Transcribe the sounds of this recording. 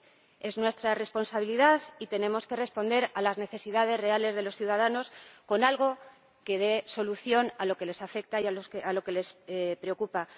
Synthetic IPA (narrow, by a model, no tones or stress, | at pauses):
e̞znwe̞st̪ɾare̞spo̞nsaβiliðaðit̪e̞nẽ̞mo̞ske̞re̞spo̞nd̪e̞ɾalazne̞θe̞siðað̞e̞zre̞ale̞zðe̞lo̞sθjuðaðano̞sko̞nalɣo̞ | ke̞ð̞e̞so̞luθjo̞nalo̞ke̞le̞safe̞k̚t̪ajaosalo̞ke̞le̞spɾe̞o̞kupa